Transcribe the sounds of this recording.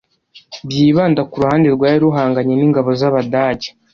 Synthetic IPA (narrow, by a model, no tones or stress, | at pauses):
bjiːβaːndakuɾuhaːndeɾɡwaːjiɾuɦaːŋɡaɲeniŋɡaβo̞zaβadaɟe̥